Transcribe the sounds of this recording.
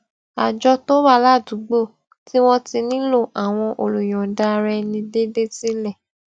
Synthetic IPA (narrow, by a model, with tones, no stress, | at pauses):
a˨d͡ʒɔ˧to˦wa˦˨la˦˨du˨˦ɡ͡bo˦˨ | ti˦w̃ɔ̃˦ti˧nĩ˦lo˦˨ʔa˨w̃ɔ̃˧ʔo˧lu˨j̃ɔ̃˨da˧ɾɛ˧nĩ˧de˦de˦ti˦lɛ˦˨